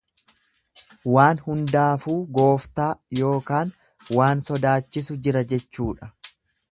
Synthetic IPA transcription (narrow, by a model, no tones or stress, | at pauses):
waːnhʊnd̪aːfuːɡo̞ːft̪aːjo̞ːkaːn | waːnsɔd̪aːt͡ʃːɪsʊd͡ʒɪɾɐd͡ʒɛt͡ʃːuːᶑɐ̥